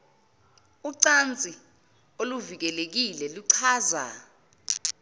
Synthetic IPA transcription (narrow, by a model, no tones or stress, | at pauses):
uǀant͡sʼi | oluvik̬ɛlek̬ilɛluǀʰaːza̰